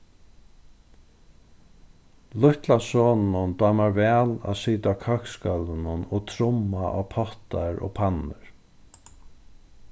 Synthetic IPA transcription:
lʊht̪lasɔːnnʊnd̪aːmaɹvɛːla̰ːsiːt̪akʰœkskœlɪnʊnɔt̪ʰɾʊmaʔa̰pʰɔht̪aɹɔ̰ːpʰanɪɹ

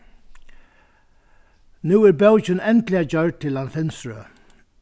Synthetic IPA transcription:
nuːæɾɹbɛwt͡ʃɪnɛnt̪lɪad͡ʒœɹd̚t̪ʰɪlanfɪnsɹø̰

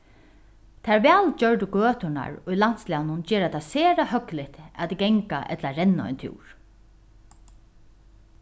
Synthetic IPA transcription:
t̪ʰaɹʋɛːld͡ʒœɹt̪ʊɡøːt̪ʊna̰ɹʊjlan̥t̪slawnʊnd͡ʒɛːɾat̪ʰasɛːɾahœklɪht̪a̰t̪ɡɛŋka̰ʔɛ̰t̪laɾɛnːaɔ̰jnt̪ʰjṵːɹ̥

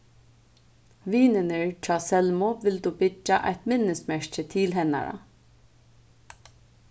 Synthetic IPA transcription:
ʋiːnɪnɪɹt͡ʃʰɑːsɛlmɔʋɪlt̪uːbɪt͡ʃːaʔa̰jt̪mɪnːɪst̪mɛɹt͡ʃət̪ʰɪːlɦɛna̰ɹa̰

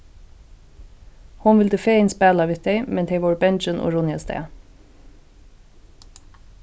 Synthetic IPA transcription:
hʊnʋɪld̪əfeːɪnspæːlaʋɪːd̪ɛɪmɛnt̪ʰɛjʋɔɹbɛnt͡ʃɪnʔɔ̰ɹʊnjast̪ɛ̰ː

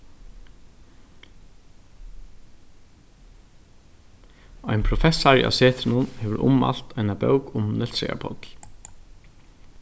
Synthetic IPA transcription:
ajnpʰɾʊfɛsaɹḭa̰sɛːt̪ʰɪnʊnhɛːʋəɾʔʊ̰ma̰l̥t̪ʰajnabœwkʊmnɛlsɾɛ̰a̰pʰɔ̰t̪l̥

